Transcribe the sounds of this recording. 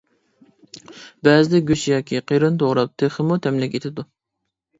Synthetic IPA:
bɛzɪd̪ɛɡʲyt͡ʃjɑːkʲʰiqʰeɾɨnt̪ʰoʁɾɑp̚t̪ʰeχəmut̪ʰɛmlɛkʲet̪ʰɪd̪u

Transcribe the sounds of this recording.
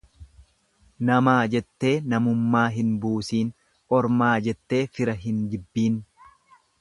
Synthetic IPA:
nɐmaːd͡ʒɛt̪ːe̞ːnɐmʊmːaːɦɪnbuːsiːn | ʔɔɾmaːd͡ʒɛt̪ːe̞ːfɪɾɐɦɪnd͡ʒ̪ɪbːiːn

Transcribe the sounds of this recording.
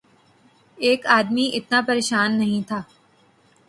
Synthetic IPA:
eːkaːd̪miʔɪt̪napɐɾeːʃaːnːɐɦĩt̪ʰaː

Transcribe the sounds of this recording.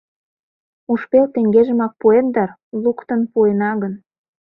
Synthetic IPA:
uʃpelt̪eŋɡeʒə̆mɑk̚puend̪ɑr | lukt̪ənpuenɑɣən

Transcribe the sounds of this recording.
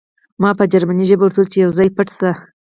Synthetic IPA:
mɑpəd͡ʒaɾmaniʒəbawʊɾt̪ult͡ʃejawzɑjpəʈst̪a

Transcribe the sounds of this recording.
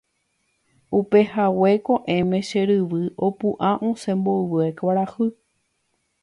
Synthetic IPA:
upe̞hawe̞koʔẽ̞mẽ̞ʃeɾɨʋɨʔopũʔãʔõsẽmboɨwɨekaɾahɨ

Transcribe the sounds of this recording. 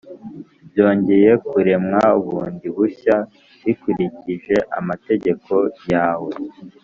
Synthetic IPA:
bjo̞ːɲɟe̞je̞kuɾe̞mŋauβuːndiβuça | βikuɾiciʒe̞ʔa̰mate̞ɟe̞kʰo̞jaːwe̞

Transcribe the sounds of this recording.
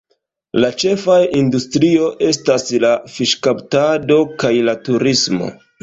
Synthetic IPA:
lat͡ʃe̞fajindustɾio̞ʔe̞staslafiʃkaptado̞kajlatuɾismo̞̰

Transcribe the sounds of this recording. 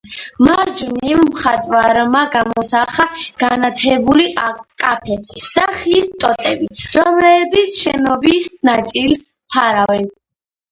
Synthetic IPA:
maɾd͡ʒunimmχat̪ʼwaɾmaɡamɔsaχaɡ̥anat̪ʰɛbulikʼapʰɛd̪̥aχist̪ʼɔt̪ʼɛbiɾɔmlɛbit̪sʰʃɛnɔbisnat̪sʼilspʰaɾavɛn

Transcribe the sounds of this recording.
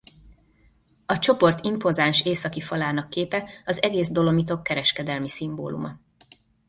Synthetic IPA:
ɒt͡ʃo̞po̞rt̪impo̞zanʃeːsɒkifɒlaːnɒkːeːpɛɒzɛɡeːzd̪o̞lo̞mit̪̬o̞kːɛɾɛʃkɛd̪ɛlmisimbo̰ːlṵmɒ

